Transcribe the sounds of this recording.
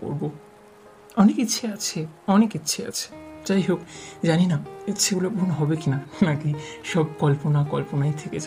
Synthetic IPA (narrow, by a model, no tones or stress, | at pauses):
ko̰ɾbo | ɔnekitːɕʰeat͡ɕʰeɔnekitːɕʰea̰t͡ɕʰe̥t͡ɕajɦokd͡ʑaninaeeulobʱunɦɔbekinanakiʃɔb̚kɔlponakɔlponajt̪ʰeket͡ɕa